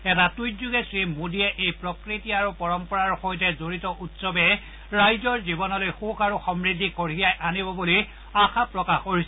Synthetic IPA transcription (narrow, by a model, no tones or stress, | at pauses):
ɛtatujzuɡesɹimudiɛʔejpɹɔkɹitiaɹupɔɹɔmpɔɹaɹxojtɛzoɹitɔʔutsɔbɛ | ɹajzɔɹzibɔnɔlojxukaɹuxɔmɹidikoɹijajʔanibɔbuli | axʰapɹɔkaxoɹis